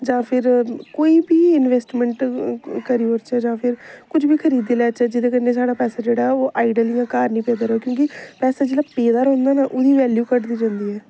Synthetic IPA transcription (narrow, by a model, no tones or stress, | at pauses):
d͡ʒãːpʰɪɾkoːiːbiːɪnʋeːsʈmɛ̃ɳʈkəɾiːoːɾt͡ʃɛːd͡ʒãːpʰɪɾkʊd͡ʒbiːkʰəɾiːd̪eːlɛːt͡ʃɛːd͡ʒɪd̪eːkənːeːsaːɽaːpɛːsaːd͡ʒeːɽaːoːʔaːiɖəlɪ̃ŋãːkaːɾnĩːpeːd̪aːɾoːkjõːkɪpɛːsaːd͡ʒeːɽaːpeːd̪aːɾɦõːnd̪aːnaːʔʊd̪iːʋɛːljuːkəʈd̪iːd͡ʒãːnd̪iːɦɛː